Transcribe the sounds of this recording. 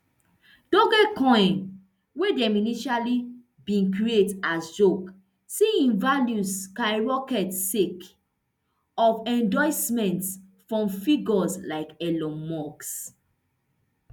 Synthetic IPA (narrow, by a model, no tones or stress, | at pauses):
dõɡɛkɔ̃j̃n | wedɛminiʃali | bĩnkɹietasd͡ʒok | siĩnvaljuskaɹɔkɛtsek | ɔfɛ̃ndɔɪsmɛ̃ntfɹɔ̃mfiɡɔslaɪkɛlɔ̃mɔks